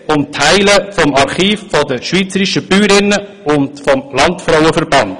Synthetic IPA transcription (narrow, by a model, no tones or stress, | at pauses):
ʊmtʰhæɪləfɔmɑɾχiːffɔdəʃʋiːt͡səɾiʃəb̥yːɾɪnːə | ʊndfɔmlɑntfɾaʊəfərbɑnd̥